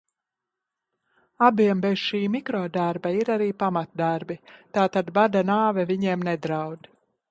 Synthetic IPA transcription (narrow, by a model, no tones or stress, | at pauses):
abiɛmbez̥ʃiːmikɾɔːd̪aɾbaiɾaɾiːpamat̪̚d̪aɾbit̪aːt̪ad̪bad̪anaːvɛviɲiɛmnɛd̪ɾawd̪